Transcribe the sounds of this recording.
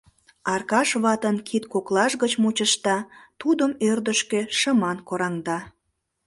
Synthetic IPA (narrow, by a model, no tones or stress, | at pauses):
ɑrkɑʃβɑt̪ənkʰit̪koklɑʃɣət͡ɕmut͡ɕəʃt̪ɑt̪ud̪əmørd̪əʃkeʃəmɑnkoɾɑŋd̪ɑ